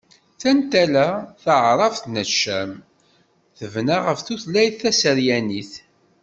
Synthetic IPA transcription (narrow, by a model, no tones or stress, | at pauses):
θænt̪ælæθəʕɾˤɑfθnət͡ʃːəm | θəvnaʁəfθuθlæjθːæsəɾjæniθ